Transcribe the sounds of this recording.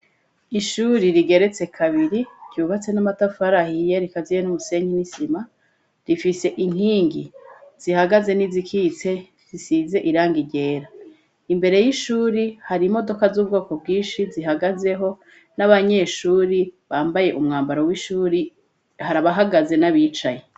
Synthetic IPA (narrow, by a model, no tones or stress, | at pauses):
iʃuːɾiɾiɡe̞ɾe̞t͡se̞kʰaβiɾiɟ̥ɟuːβat͡se̞namatafaɾahijeɾikazijenumuse̞ːɲinisima | ɾifise̞ʔiŋ̥iːŋɡiz̥ihaɡaze̞nizikʰiːt͡se̞ | zisiːze̞ʔiɾaːŋɡiɟe̞ːɾa | imbe̞ɾe̞jiʃuːɾihaɾimo̞do̞kazuːbɡo̞ːko̞b̚ɡiːnʃiziɦaɡaze̞ɦo̞ | naβaɲe̞ʃuːɾiβaːmbaje̞ʔumŋaːmbaɾowiʃuːɾi | haɾaβaɦaɡaze̞naβiːt͡ʃaje